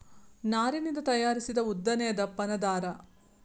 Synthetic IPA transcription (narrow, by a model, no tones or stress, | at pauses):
naːɾinind̪ɐt̪ɐjaːɾisid̪ɐud̪ːɐnɛjɐd̪ɐpɐnɐd̪aːɾɐ